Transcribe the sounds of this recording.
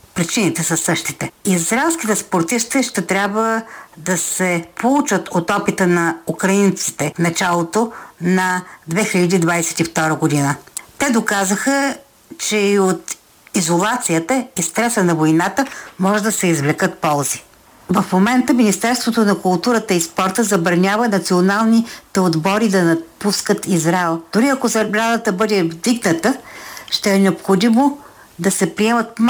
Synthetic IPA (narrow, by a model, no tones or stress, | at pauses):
pɾit͡ʃinit̪ɛsɐsɤʃt̪it̪ɛizɾɛlˠsk̟it̪ɛspoɾt̪iʃt̪ɛʃt̪ɛt̪ɾʲabvəd̪ɐsɛpʰolˠut͡ʃət̪ʰot̪ɔpit̪ənɐukɾɐint̪si̥t̪ɛfnɐt͡ʃalˠot̪onɐd̪vɛxiʎəd̪id̪vajsɛ̥t̪ift̪ɔɾəɡod̪inət̪ɛd̪okazəxə | t͡ʃɛiot̪ | izolˠat̪sijət̪əist̪ɾɛsənɐvojnat̪əmɔʒɛd̪ɐsɛizvlɛkət̪̚pɔlˠzi̥ | vəfmomɛnt̪əminist̪ɛɾst̪vot̪onɐkʊlˠt̪uɾət̪əispɔɾt̪əzɐbəɾnʲavənɐt̪sionalˠnit̪ɛod̪bɔɾid̪ɐnɐpuskət̪ʰizɾaɛlˠd̪̥ʊɾiɐkozɐbɾad̪ət̪əbɤd̪ɛvd̪iɡnət̪əʃt̪ɛːnɛopxod̪imo | d̪ɐsɛpɾiɛmət̪̚m